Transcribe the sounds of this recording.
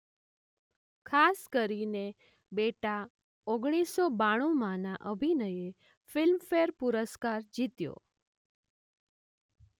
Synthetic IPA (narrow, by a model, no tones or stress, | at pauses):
kʰaskəɾine | beʈa | oɡɽ̃isobaɽ̃ũmãnaʔəbʱinəje | fɪlmfeɾpuɾəskaɾd͡ʒit̪jo̰